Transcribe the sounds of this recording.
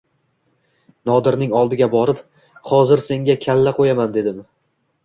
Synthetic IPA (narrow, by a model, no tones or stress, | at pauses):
nɒd̪ɪɾnɪŋɒlˠd̪ɪɡʲabɒɾɪp | χɒzɪɾse̞ŋɡʲakʲʰalːaqʰojamand̪e̞d̪ɪm